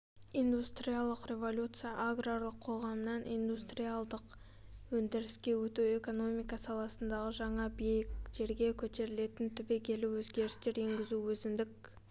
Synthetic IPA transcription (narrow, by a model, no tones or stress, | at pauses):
ijnd̪ust̪rijalˠəqrʲe̞vo̞lʲut̪sɨjaʔaɡrarlˠəqʰːo̞ʁɑmənɑnijnd̪ust̪rijalˠd̪əq | wɵnd̪ɪɾɪskʲe̞wɵt̪ue̞ko̞no̞mijkɑsɑlˠɑsənd̪ɑʁəʒɑɴɑbejɪkʒe̞ɾɡʲe̞kʲʰɵt̪e̞ɾɪle̞t̪ɪnt̪ʰʏbe̞kʲʰe̞luwɵzɡʲe̞ɾɪst̪e̞ɾe̞ŋɡʲɪzuwɵzɪnd̪ɪk̚